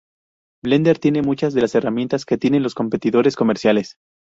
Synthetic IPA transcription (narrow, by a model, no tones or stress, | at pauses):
blend̪eɾt̪je̞ne̞mut͡ʃazðe̞lase̞ramje̞nt̪asket̪je̞ne̞nlo̞sko̞mpe̞t̪iðo̞ɾe̞sko̞me̞ɾsjale̞s